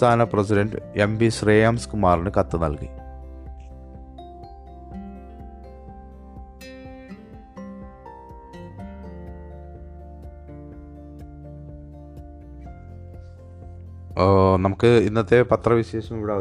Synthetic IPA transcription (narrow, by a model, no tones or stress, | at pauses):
t̪ʰaːnɐpresidɐnɖɨ̰embiɕreːjaːmskumaːrinɨkɐt̪ːɨnɐlkḭ | nɐmukːɨinːɐt̪ːe̞pɐt̪rɐʋiɕeːɕɐmiʋiɽaː